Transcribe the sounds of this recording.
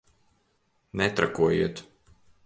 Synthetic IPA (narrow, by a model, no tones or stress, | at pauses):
nɛt̪ɾa̰kuɔjḭɛt̪